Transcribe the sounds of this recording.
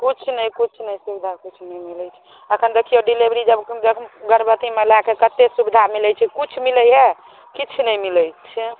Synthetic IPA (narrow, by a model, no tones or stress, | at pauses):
kut͡ʃʰnəjkut͡ʃʰnəjsubid̪ʱakit͡ʃʰnɛjmilɛt͡ʃʰɛ̥ | əkʰənd̪ekʰijoɖilebɾid͡ʒəbd͡ʒəɡəɾbət̪imelakekət̪ːesubid̪ʱamilət͡ʃʰɛkut͡ʃʰmiləjɦe | kit͡ʃʰnəjmiləjt͡ʃʰɛ